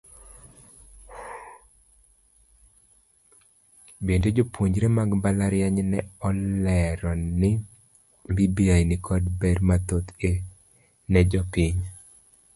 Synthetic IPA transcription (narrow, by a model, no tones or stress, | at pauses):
bended͡ʒopwoɲd͡ʒɾemaɡmbalaɾjɛɲnɛɔlɛɾɔnɪ | mbibiajnɪkʰɔdbɛɾmat̪ot̪e | nɛd͡ʒɔpɪɲ